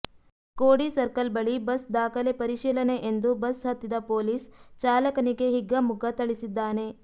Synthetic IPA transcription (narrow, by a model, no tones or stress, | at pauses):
koːɽisɐɾkɐlbɐɭibɐsd̪aːkʰɐle̞pɐɾiʃiːlɐne̞ʔend̪ubɐsɦɐt̪ːid̪ɐpoːliːst͡ʃaːlɐkɐniɡe̞ɦiɡːɐmuɡɐt̪ɐɭisid̪ːaːne̞